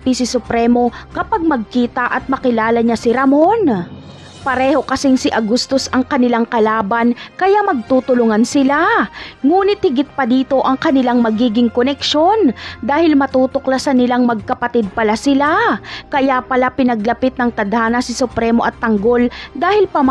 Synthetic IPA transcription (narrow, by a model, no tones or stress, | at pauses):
pisɪsʊpɾɛmo̞kɐpaɡ̚mɐɡ̚kiːt̪ɐʔɐt̪̚mɐkɪlaːlɐɲasɪɾɐmon | pɐɾɛːho̞kɐsɪŋsɪʔɐɡust̪osɐŋkɐnɪlaŋkɐlaːbɐnkɐjamɐɡ̚t̪uːt̪ʊlʊŋansɪlaŋuːnɪt̪̚hɪɡɪt̪̚pɐd̪iːt̪o̞ʔɐŋkɐnɪlaŋmɐɡiːɡɪŋkonɛkʃo̞nd̪aːhɪlmɐt̪uːt̪oklɐsɐnɪlaŋmɐɡ̚kɐpɐt̪ɪd̪̚pɐlasɪlakɐjapɐlapɪnɐɡlɐpɪt̪̚nɐŋt̪ɐd̪haːnɐsɪsʊpɾɛːmoʔɐt̪ːɐŋɡo̞ld̪aːhɪlpɐm